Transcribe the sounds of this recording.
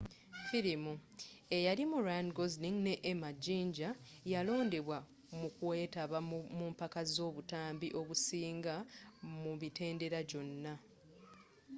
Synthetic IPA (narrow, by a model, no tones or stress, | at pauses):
fiɾimue̞jalimuɾanɡozniŋne̞ʔːmaɟiːɲɟa | jalo̞ːnde̞βwa | mukuwe̞ːtaβamumpakazo̞ːβutaːmbiʔo̞βusiːŋɡamuβite̞ːnde̞ɾajo̞nːa